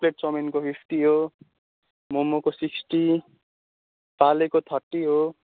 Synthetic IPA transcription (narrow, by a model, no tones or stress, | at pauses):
leʈ̚sʌminkopʰift̪iɦo | momokosiksʈi | palekot̪ʰʌrʈiɦo